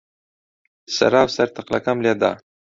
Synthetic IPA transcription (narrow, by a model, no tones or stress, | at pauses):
sa̰ɾɑwsaɾt̪aqla̰kamljad̪ɑ̰